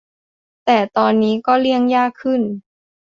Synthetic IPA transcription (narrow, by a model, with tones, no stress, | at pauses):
t̪ɛː˨˩t̪ɔː˧nːiː˦˥kɔː˥˩li˥˩əŋjaː˥˩kʰːɯ˥˩n